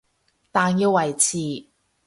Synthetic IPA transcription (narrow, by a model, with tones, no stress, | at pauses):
t̪aː˨njiː˧wɐ˨˩jt͡sʰiː˨˩